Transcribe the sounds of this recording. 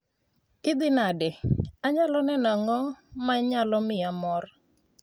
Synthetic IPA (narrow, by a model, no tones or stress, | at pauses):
ɪd̪ɪnadɛaɲalɔnɛnaŋɔmaɲalɔmɪamɔr